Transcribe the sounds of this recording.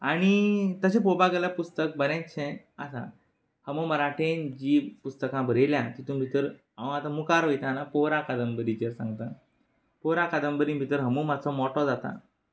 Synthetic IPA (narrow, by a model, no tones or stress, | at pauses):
aɽ̃it̪əɕẽpobaɡəljapust̪ək̚bənjãt͡ɕʰẽ | asã̰ | həmoməɾaʈʰend͡ʑipust̪əkãbʱəɾeljat̪it̪uːnbʱit̪əɾ | aʋə̃at̪ãmukaɾʋəjt̪anapoɾãkad̪əmbəɾit͡ɕeɾsã̰ŋɡt̪a | poɾakad̪əmbəɾibʱit̪əɾɦəmumat͡sʰɔmɔʈɔd͡zat̪a̰